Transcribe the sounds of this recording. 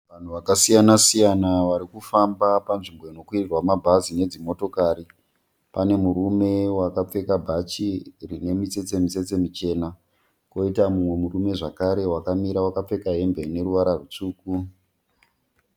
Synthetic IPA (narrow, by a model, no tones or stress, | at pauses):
ʋan̤uʋakasijanasijanaʋaɾikufambapanʐimboino̞kwirirwamabʱazine̞d͡zimo̞to̞kaɾi | pane̞muɾume̞wakap͡fe̞kabʱat͡ʃirine̞mit͡se̞t͡se̞mit͡se̞t͡se̞mit͡ʃe̞ːna | ko̞itamumwe̞muɾume̞ʐakaɾe̞wakamiɾawakap͡fe̞kaɦe̞mbe̞ne̞ɾuʋaɾarut͡suːku